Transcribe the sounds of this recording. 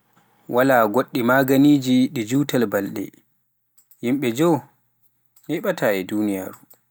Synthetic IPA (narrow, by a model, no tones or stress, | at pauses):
wʔalaːɡoɗːimaɡaniːd͡ʒiɗɛd͡ʒuːtalbalɗɛ̰ | jimɓɛd͡ʒɔw | hɛɓataːɛduːnija̰ːɾu